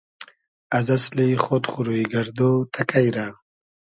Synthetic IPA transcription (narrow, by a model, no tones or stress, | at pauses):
azasliχot̪χuɾuiɡaɾd̪ot̪ʰakajɾa